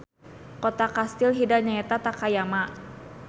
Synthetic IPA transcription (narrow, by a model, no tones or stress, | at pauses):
kot̪akast̪ɪlɦidaɲaɛt̪at̪akajama